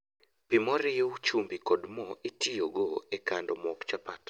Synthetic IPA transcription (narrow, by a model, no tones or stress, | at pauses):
pimɔɾɪwt͡ʃumbikɔdmɔitʰijoɡoekandomɔkt͡ʃapat